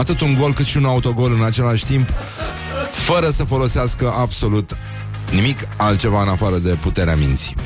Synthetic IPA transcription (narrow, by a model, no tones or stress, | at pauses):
at̪ɨt̪uŋɡo̞lkɨt̪ʃiunaut̪o̞ɡo̞lɨnat͡ʃe̞laʃʲt̪imp | fəɾəsəfo̞lo̞seaskəʔabso̞lut̪ | nimikalt̪̚t͡ʃe̞vaɨnafaɾəd̪e̞put̪e̞ɾeamint̪si̥